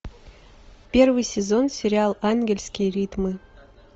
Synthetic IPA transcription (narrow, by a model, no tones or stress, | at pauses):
pʲe̞rvɨjsʲɪzo̞nsʲɪɾʲɪalˠanɡʲelʲsʲkʲijɾʲit̪mɨ